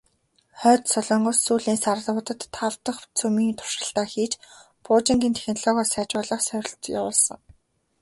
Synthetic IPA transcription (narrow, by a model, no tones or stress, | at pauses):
χœːt̪sœɮɔɴɢʊ̆sːuːɮiːnsar̆ɮʊːt̪ə̆t̪ʰːawt̪ə̆χt͡sʰɵmiːnt̪ʰʊ̥ʃə̆ɬt̪aːxiːt͡ɕ | pʰʊːt͡ɕĭŋɡiːnt̪ʰe̥xʲnɮɔːɣɔːsæːt͡ɕʊːɮə̆χsœɾʲɪ̆ɮt̪ja̰wʊːɮsɞ̆ŋ